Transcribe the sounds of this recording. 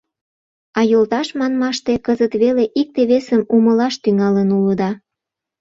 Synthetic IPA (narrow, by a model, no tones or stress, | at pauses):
ɑjolt̪ɑʃmɑnmɑʃt̪ekəzət̪βeleʔik̚t̪eβesəmuməlɑʃt̪yŋɑlənuləd̪ɑ